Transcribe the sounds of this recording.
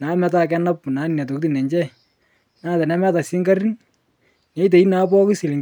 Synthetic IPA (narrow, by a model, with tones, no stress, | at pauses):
na˨˦mɛ˨˦ta˦kɛ˦na˦pna˨˦na˨t̬o˨k̚ti˦nɛ˨ɲd͡ʒɛ˦˨ | na˦tɛ˨na˦mɛ˦ta˨si˦ŋɡa˦ri˦n | nɛ˨˦t̬e˨i˦na˨˦p̬ɔ˦kɪ˦si˨lɪ˨ŋ